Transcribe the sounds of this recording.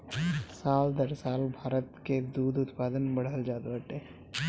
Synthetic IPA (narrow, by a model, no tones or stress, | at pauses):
saːld̪əɾsaːlbʱaːɾət̪ked̪uːd̪ʊt̪paːd̪ənbəɽ̤əld͡ʒaːd̪bəʈeː